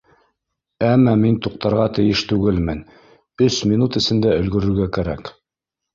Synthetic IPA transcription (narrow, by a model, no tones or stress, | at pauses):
æmːæmint̪uq̚t̪ɑɾʁɑt̪ɘ̆jɘʃt̪ʉɡɘlmɘn | ɵsmʲinut̪ɘ̆sɘ̆nd̪æɵ̆lɡɵ̆ɾɵ̆ɾɡækæɾæk